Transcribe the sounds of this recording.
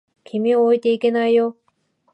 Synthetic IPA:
kʲʰimioit̪e̞ike̞naijo

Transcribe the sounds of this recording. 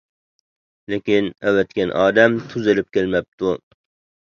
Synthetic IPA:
lekʲinæwɛt̪kʲanʔɑːd̪æmt̪ʰʊzɪlɪp̚kʲelmæp̚t̪u

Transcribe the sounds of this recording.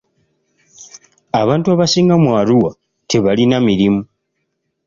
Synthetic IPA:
aβaːntuaβasiːŋɡamwaːluwa | teβalinamiɾimu

